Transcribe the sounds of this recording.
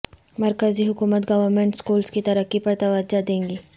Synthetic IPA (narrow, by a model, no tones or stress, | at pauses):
mɐɾkəziɦʊkuːmət̪ɡɐʋəɾmẽːɳʈskuːlskit̪ɐɾəkːipɐɾt̪ɐʋəd͡ʒad̪ẽːŋɡiː